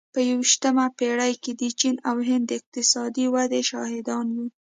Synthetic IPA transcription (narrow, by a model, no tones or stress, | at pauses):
pəjawiʃt̪əmapeɽajked̪ət͡ʃinawɦɪnd̪ːəɪq̚t̪ɪsɑd̪iwad̪eʃɑhɪd̪ɑnwi